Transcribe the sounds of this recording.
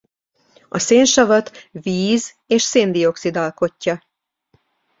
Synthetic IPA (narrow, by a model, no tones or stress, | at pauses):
ɒseːnʃɒvɒt̪viːz | eːʃseːnd̪io̞ksid̪ɒlko̞cːɒ